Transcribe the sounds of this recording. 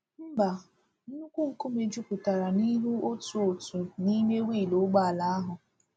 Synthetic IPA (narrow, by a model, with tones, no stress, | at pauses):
m̩˦ba˨ | n̩˦ʊ˦kʷu˦ŋ̩˨ku˦me˨d͡ʒu˦kʊ˨ta˨ɾa˨ni˦ɦu˦o˦tu˨o˨tu˨ni˦me˦wi˦˨lo˨˦ɡ͡ba˦a˨la˨a˦ɦʊ˨